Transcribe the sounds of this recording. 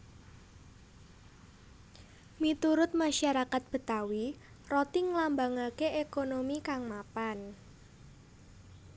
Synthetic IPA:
mit̪uɾʊt̪̚maʃaɾakat̪̚b̥ə̤t̪awi | rɔt̪iŋlambaŋakeʔekonomikaŋmapan

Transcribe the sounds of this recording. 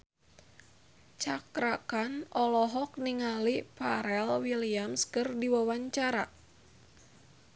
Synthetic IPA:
t͡ʃakɾakanɔlɔɦɔk̚niŋalipaɾɛlwiliamskɨrdiwawaɲt͡ʃaɾa

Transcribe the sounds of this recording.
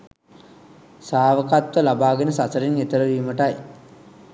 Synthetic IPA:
saːʋəkat̪ʋəlabaːɡenəsasəɾiŋet̪əɾəɾiːməʈaj

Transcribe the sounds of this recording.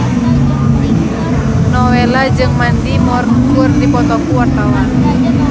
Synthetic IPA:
nɔwelad͡ʒɨŋmand̪imɔrkʊrdipɔt̪ɔkuwat̪lawan

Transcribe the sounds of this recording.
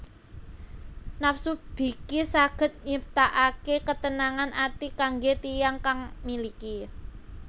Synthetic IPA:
nafsub̥i̤kisaɡ̥ə̤t̪̚ɲəp̚t̪aʔakekət̪ənaŋanat̪ikaŋɡet̪ijaŋkaŋmiliki

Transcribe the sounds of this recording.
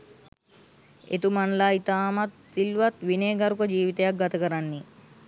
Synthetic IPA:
ḛt̪umanlaːit̪aːmat̪silʋat̪ʋineːɡaɾukəd͡ʒiːʋit̪ejak̚ɡat̪əkəɾanːi

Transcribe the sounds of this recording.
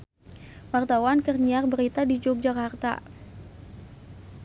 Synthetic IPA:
wart̪awankərɲiarbəɾit̪adid͡ʒok̚d͡ʒakart̪a̰

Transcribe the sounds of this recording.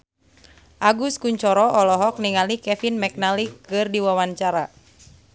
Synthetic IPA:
ʔaɡuskuɲt͡ʃɔɾɔʔɔlɔɦɔk̚niŋalikɛfinmɛk̚nalikːɨrdiwawaɲt͡ʃaɾa

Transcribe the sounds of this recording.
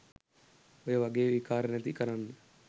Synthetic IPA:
ojɐʋɐɡeːʋikaːɾnɐt̪ikɐɾanːə

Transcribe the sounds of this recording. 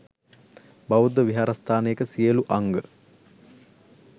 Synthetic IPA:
baud̪əʋiɦaɾast̪ʰaːnejekəsijəluʔaŋɡə

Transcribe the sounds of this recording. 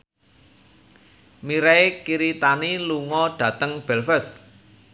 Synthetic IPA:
miɾɛekiɾit̪aniluŋɔɖ̥ä̤t̪əŋb̥ɛ̤lfəs

